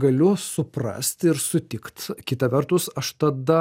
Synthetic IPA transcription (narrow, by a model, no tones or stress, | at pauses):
ɡɐlʲʊsʊprɐ̰sʲt̪ɪɾsʊt̪ʲɪkt̪kʲɪt̪ɐʋʲɛrt̪ʊsɐʃt̪ɐd̪ɐ